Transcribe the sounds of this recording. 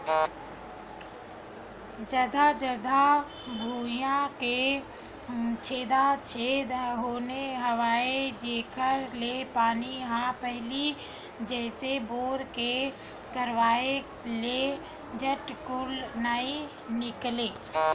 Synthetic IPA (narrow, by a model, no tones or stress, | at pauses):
d͡ʒəd̪ʱad͡ʒəd̪ʱa | bʱuːjãke | t͡ʃʰeːd̪at͡ʃʰeːd̪ɦoːneɦəwaːed͡ʒeːkʰəɾlepaːniɦãpəɦli | d͡ʒɛːseboːɾke | kəɾʋaːe | le | d͡ʒəʈkʊlnai | nɪkleː